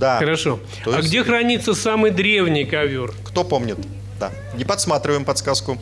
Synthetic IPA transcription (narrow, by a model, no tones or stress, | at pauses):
d̪axəɾɐʂo̞ | oaɡdʲe̞xɾɐnʲit̪sːəsamɨjd̪ɾʲevnʲɪjkɐvʲorkt̪opomnʲɪt̪ | d̪a | nʲɪpɐt̪smat̪ɾʲɪvəjɪmpɐt̪skaskʊ